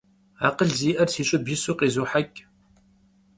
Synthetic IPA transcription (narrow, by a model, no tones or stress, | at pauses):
aːqəɮziːʔɐrsiːɕʼɪbisuːqeːzuːħakʲʼ